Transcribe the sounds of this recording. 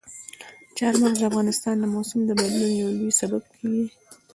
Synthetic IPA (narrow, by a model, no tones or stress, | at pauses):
t͡ʃɑɾmanzd̪əafɣɑnɪst̪ɑnd̪əmosʊmd̪əbad̪lunjawlujsabab̚kʰawi